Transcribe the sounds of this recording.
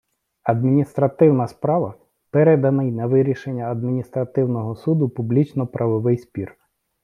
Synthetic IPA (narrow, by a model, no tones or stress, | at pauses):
ɐd̪mʲinʲist̪ɾɐt̪ɪwnɐspɾɑʋɐ | pɛɾɛd̪ɐnɪjnɛʋɪɾʲiʃenʲːɐɐd̪̚mʲinʲist̪ɾɐt̪ɪwnɔɦɔsud̪ʊpublʲit͡ʃnɔpɾʔɐʋɔʋɪjsʲpʲir